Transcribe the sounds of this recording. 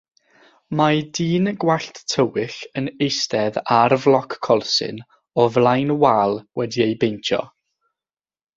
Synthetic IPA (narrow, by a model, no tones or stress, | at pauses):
madiːnɡwaɬttʰəwɪɬənejstɛðarvlˠɔkːʰɔlˠsɪ̰n | ɔvlˠajnwaːlˠwɛdiejbejntʰɔ̰